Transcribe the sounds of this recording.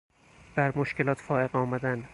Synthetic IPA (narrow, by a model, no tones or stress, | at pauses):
b̥æɾmoʃkelɒːt̪ʰfɒːeɣɒːmæd̪æn